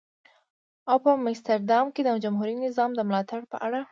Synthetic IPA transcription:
awpəmɪst̪aɾd̪ɑmked̪əd͡ʒamɦuɾinɪzɑmd̪əmlɑt̪aɽpə̰ʔaɽa

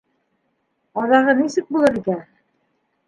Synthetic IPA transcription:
ɒðɑʁɤnisɘk̚bulˠɤɾikæ

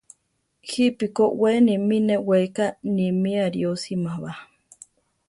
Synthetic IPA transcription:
hipikoweniminewekanimiaɾiosimaβa

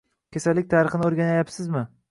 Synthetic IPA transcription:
kʲesalːɪk̚ʲt̪ʰaːɾɨχɨnɪoɾɡʲanajapsɪzmɪ

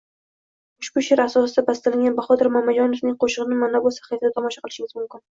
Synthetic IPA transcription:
ʊʃbʊʃaɾasɒsɪd̪abast̪alɪŋʲɡʲanbaχɒt̪ʰɪɾmamːad͡ʒɒnofnɪŋqʰoʃɨʁɨnɪmanabolˠsḁχajt̪ɪd̪at̪ʰɒmɒʃaqʰɨlˠɪʃɪŋʲɪzmʊmkʲɪn

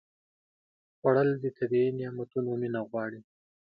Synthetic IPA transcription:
ɣwaɽəld̪ət̪ʰabiinjɑmat̪unominaɣwɑɽi

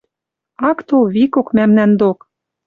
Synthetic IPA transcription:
ɑkt̪oβikokmæmnænd̪ok

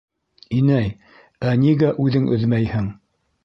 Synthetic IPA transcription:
inæj | æniɡæʔʉðɘŋʔɵ̆ðmæjhɘŋ

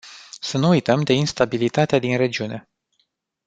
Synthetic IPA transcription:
sənuːjt̪əmd̪e̞inst̪abilit̪at̪ead̪inre̞d͡ʒiune̞

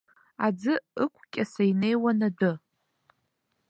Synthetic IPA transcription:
ad͡zɨɨkʷʼʰkʲʼasaine̞jwanadɨ

